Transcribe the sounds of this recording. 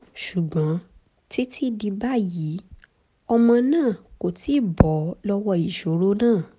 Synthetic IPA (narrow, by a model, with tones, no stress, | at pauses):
ʃu˨ɡ͡bɔ̃˨˦ | ti˦tʰi˦di˧ba˦ji˨˦ | ɔ˧mɔ̃˧nãː˦˨ko˨tʰi˨˦˨bɔ˨˦lɔ˦wɔ˧i˨ʃo˨˦ɾo˦nãː˦˨